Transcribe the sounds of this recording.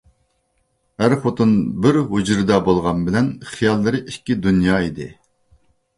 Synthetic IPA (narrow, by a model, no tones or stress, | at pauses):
hæɾχot̪unbɪɾɦud͡ʒɾɨd̪ɑbolˠʁɑnbɪlɛnχijɑlˠːɨɾɨʔiʃkʲːid̪unjɑːid̪ɪ